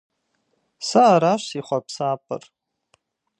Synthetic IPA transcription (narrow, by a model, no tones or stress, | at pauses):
saːɾaʃsiχʷapʰsaːpʼɨ̰r